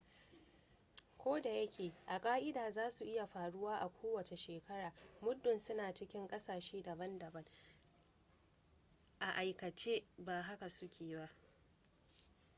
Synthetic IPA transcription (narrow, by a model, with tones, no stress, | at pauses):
kʷoː˦da˨jɐ˦kʲʰeː˨ʔa˨kʼaː˦ʔɪ˦daː˨zaː˦su˨ʔɪ˦ja˨ɸaː˨ɽʊ˦waː˦ʔa˨kʷʰoː˦wɐ˨t͡ʃe˨ʃeː˨kɐ˦ɽaː˨mʊ˦dːʊ˨nsʊ˦naː˨t͡ʃɪ˦kʲɪ˦ŋkʼɐ˦saː˨ʃeː˦dɐ˨bɐ˦ndɐ˨bɐ˦ŋ | ʔa˨ʔa˨jkɐ˨t͡ʃeː˦baː˨ɦa˦ka˨sʊ˦kʲʰeː˨ba˦